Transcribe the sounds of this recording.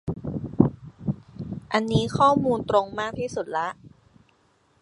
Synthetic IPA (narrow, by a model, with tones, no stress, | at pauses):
ʔa˧nːiː˦˥kʰɔː˥˩muː˧nt̪ɾo˧ŋmaː˥˩k̚t̪ʰiː˥˩su˨˩t̪̚la˦˥ʔ